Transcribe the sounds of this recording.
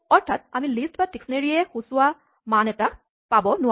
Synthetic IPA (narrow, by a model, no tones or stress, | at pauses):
ɔɹtʰat̚a̰milistbatiksneɹiɛxusʊwa | manɛta | pabɔnʊwa